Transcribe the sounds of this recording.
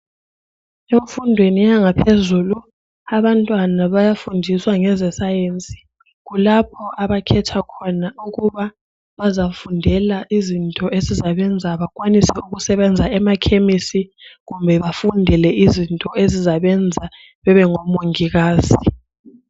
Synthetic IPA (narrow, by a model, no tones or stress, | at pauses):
eɱfundʱwenijaŋapʰezulu | aβantʼwanaβajafundʱiswaŋɛzɛsajent͡sʼi̥ | ɣulap̚ʰɔʔaβakʰɛtʰakʰɔnauɣuβa | βazafundʱɛlaʔizintʼɔʔezizaβɛnd͡zʱaβakʼwanisɛuɣusɛβɛnd͡zʱaɛmakʰemisiɣumbʱɛβafundʱɛlɛʔizintʼɔezizaβɛnd͡zʱa | βɛβɛŋɔmoŋiɣaːzi